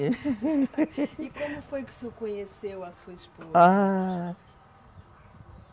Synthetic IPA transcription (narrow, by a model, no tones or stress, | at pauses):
ikomufojkɨ̥sekoɲesewɐsuɐiʃpoza